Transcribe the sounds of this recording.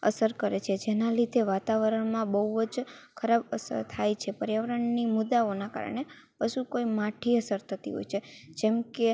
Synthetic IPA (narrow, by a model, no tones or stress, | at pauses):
ə̰səɾkəɾet͡ʃʰed͡ʒenalid̪eʋat̪aʋəɾəɳmãbəɦuʋəd͡ʒkʰəɾabəsə̰ɾt̪ʰajt͡ʃʰepəɾjəʋəɾəɳnimʊd̪ːaonaka̰ɾə̰ɳ̃e | pəʃukoimaʈʰiəsəɾt̪ʰət̪ḭɦo̰jt͡ʃʰed͡ʒɛmke